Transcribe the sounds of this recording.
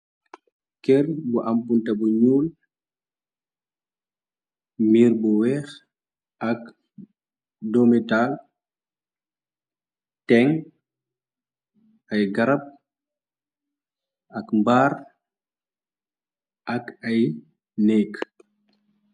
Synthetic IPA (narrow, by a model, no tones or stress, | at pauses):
kɛɾbɔʔampuntabuɲuːl | miːɾbɔwɛːx | ʔak | dɔmɛtal | tɛŋ | ajɡaɾap̚ | akmbaːɾ | ʔakaj | nɛːk